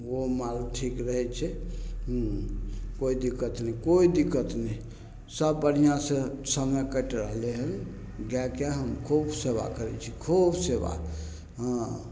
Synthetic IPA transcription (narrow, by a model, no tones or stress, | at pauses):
omalʈʰikɾəɦɛt͡ʃʰɛ | koid̪ikət̪nɛkoid̪ikət̪nɛj | səbːən̤ijãsẽsə̃ŋɡəkəʈɾəɦleɦəl | ɡɛkeɦəmkʰobʰseʋa̰kəɾɛ̰t͡ʃʰikʰobseʋa̰ | ɦə̃